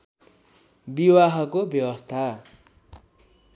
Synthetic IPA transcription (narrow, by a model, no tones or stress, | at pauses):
biwaɦʌkobjʌwʌst̪ʰa